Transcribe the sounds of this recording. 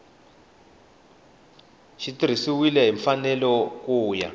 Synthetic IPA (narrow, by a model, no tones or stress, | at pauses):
ʃitiɾ̤isiwilɛɦiɱfanɛlɔkuːja̰